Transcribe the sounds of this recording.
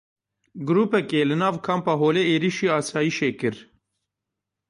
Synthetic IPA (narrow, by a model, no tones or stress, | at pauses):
ɡɾuːpɛkelɨnɑːvkʰɑːmpɑɦoːleeːɾiʃiːɑːsɑːjiʃeːkɨɾ